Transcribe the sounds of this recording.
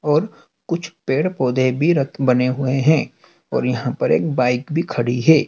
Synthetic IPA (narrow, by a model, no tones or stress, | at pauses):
ɔːɾ | kʊt͡ʃʰpeːɽpɔːd̪ʱebʱiɾɐtʰbɐneɦʊeɦɛ̃ː | ɔːɾjɐɦãpɐɾḛːk̚baːɪkbʱikʰɐɽiɦɛː